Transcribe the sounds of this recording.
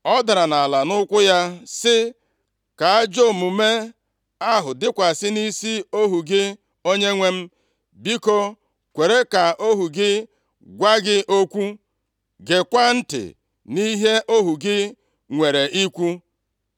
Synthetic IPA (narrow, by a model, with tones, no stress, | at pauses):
ɔ˦da˨ɾa˨na˨la˨nʊ˦kʷʊ˦ja˦sɪ˦ | ka˨a˦d͡ʒo˦˨mu˨me˦ | a˦ɦʊ˨dɪ˦kʷa˨sɪ˦ni˦si˦o˦ɦu˨ɡɪ˦ | o˦ɲe˦ŋʷe˦m̩˦ | bi˦ko˦ | kʷe˨ɾe˦ka˨ʔo˦ɦu˨ɡɪ˦ | ɡʷa˦ɡɪ˦ʔo˦kʷu˦ | ɡe˨kʷa˦n̩˦tɪ̰˨ | ni˦ɦe˦ʔo˦ɦu˨ɡɪ˦ | ŋʷe˨ɾe˨ʔi˦kʷu˦